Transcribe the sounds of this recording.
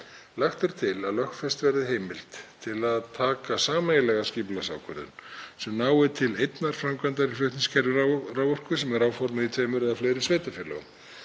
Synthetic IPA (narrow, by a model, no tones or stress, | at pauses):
laxt̪ʏɾ̥t̪ʰɪlaðlœxtfɛst̪vɛɾðɪɦeːjmɪl̥t̪t̪ʰɪlaðt̪ʰaːkasaːmajɪlɛɣasciːplasa̰ːwkʰœɾðʏ̰nsɛmnaːwɪt̪ʰɪlejt̪naɾ̥fɾamkvant̪aɾifjœɥht̪niskʰɛɾvrawvɔr̥kʏsɛmɛɾawfɔɾmɪðit̪ʰvejmʏɾɛðafleːjɾɪsveːjt̪afjɛlɛ̰ɣʏm